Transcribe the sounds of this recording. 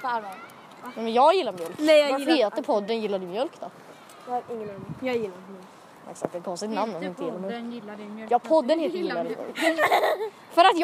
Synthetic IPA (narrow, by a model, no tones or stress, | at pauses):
nɛmɛnjɑːɡjɪlːaɾmjœlk̪ɛeːlt̪əpʰɔd̪ːənjɪlːad̪əmjœlkd̪ɔ | hɾɪŋːjɑjɪlːajk | ɛ̰ksakt̪ɛkʰɔnsɪt̪namnɔmɪnt̪əjeːlamjœkːjɑːɡpʰɔd̪ːənheːlt̪əmːəl̰ | fœɾat̪j